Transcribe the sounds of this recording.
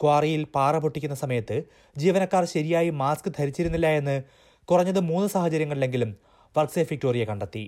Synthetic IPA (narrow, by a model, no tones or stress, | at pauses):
kwaːrijilpaːrɐbʱoʈːikʲːunːɐsɐmɐjɐt̪ːɨ | d͡ʑiːʋɐnɐkːaːrɕɐɾijaːjimaːskɨt̪ʰɐɾit͡ɕːiɾunːilːɐe̞nːɨ | kurɐɲːɐðɨmuːnːɨsaːhɐt͡ɕɐɾjɐŋːɐɭilːe̞ŋɡilum | ʋɐrkseːfik̚ʈo̞ːrijɐkɐɳɖɐt̪ːi